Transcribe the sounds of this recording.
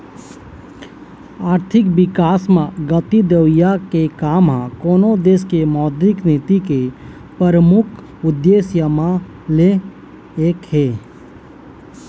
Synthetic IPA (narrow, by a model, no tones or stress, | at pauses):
aːɾt̪ʰɪkbɪkaːsmãɡət̪id̪əwjakekaːmɦã̰koːnod̪eːskemɔːd̪ɾɪkneːt̪ike | pəɾəmʊkʰ | ʊd̪ːeːsjəmã | le | eːkheː